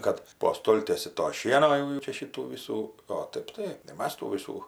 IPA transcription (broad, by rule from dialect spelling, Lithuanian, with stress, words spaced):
ˈkɐt poː ˈstoːlʲtʲiɛsʲɪ toː ˈʃʲiɛnoː jɛʊ jɛʊ ˈt͡ʃʲɛ ˈʃʲiːtuː ˈʋʲiːsuː oː ˈtɐɪp tɐɪ ɪ ˈmɐs tuː ˈʋʲiːsuː